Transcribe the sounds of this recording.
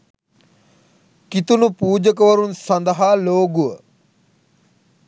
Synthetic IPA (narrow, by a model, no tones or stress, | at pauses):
kit̪unupuːd͡ʒəkəʋɐɾunsɐnd̪əɦaloːɡuə